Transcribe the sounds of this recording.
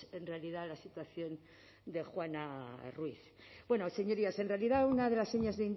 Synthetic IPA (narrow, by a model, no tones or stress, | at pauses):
enrealiðalasit̪waθjo̞n | d̪e̞xwanarwiθ | bwe̞nose̞ɲo̞ɾiase̞nre̞aliðaunaðe̞lasːeɲazðeind̪